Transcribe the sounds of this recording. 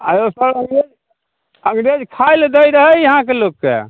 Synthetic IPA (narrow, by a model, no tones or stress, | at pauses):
ajosəɾəŋɡɾed͡ʒ | ə̃ŋɡɾed͡ʒkʰajld̪əjɾəɦəjəɦãkelokːḛ